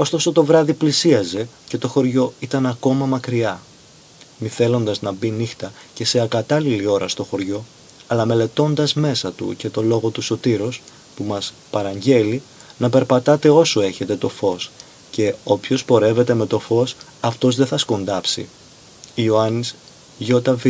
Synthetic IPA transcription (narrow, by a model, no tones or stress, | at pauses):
o̞st̪o̞so̞t̪o̞vɾɐðiplisiɐze̞ce̞t̪o̞xo̞ɾʝo̞it̪ɐnɐko̞mɐmɐkɾiɐ | miθe̞lo̞nd̪ɐznɐbinixt̪ɐce̞se̞ɐkɐt̪ɐlilio̞ɾɐst̪oxo̞ɾʝo̞ | ɐlɐme̞le̞t̪o̞nd̪ɐzme̞sɐt̪ṵce̞t̪o̞lo̞ɣo̞t̪uso̞t̪iɾos | pumɐs | pɐɾɐɲɟe̞linɐpe̞ɾpɐt̪ɐt̪e̞o̞soe̞çe̞t̪e̞t̪o̞fo̞s | ce̞opço̞spo̞ɾe̞ve̞t̪e̞me̞t̪o̞fo̞s | ɐft̪o̞zðe̞θɐsko̞nd̪ɐpsḭ | ioɐnis | ʝo̞t̪ɐvi